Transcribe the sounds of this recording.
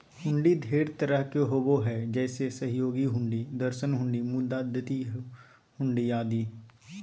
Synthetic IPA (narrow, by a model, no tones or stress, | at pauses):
hʊ̃ɳɖid̪ʱeːɽt̪əɾəɦkeɦoboɦɛd͡ʒɛːsesəɦjoːɡiɦʊ̃ɳɖid̪əɾʃənɦʊ̃ɳɖimʊd̪aːd̪ət̪i | hʊ̃ɳɖiaːd̪iː